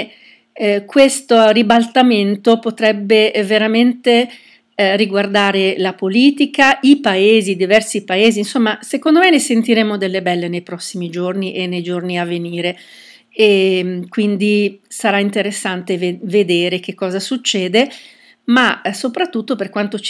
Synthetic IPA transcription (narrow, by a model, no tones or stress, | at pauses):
kwest̪oribalt̪ament̪opot̪ɾɛbːeveɾament̪e | riɡward̪aːɾelapoliːt̪ikaipaeːzid̪ivɛrsipaeːziːnsomːasekond̪omenesent̪iɾemːod̪elːebɛlːenejpɾɔsːimid͡ʒorniʔenːejd͡ʒorniavːeniːɾe | ekwind̪isaɾaint̪eɾesːant̪evved̪eːɾek̟ekːɔːzasut͡ʃːɛːd̪e | masopɾat̪ːut̪ːoperkwant̪o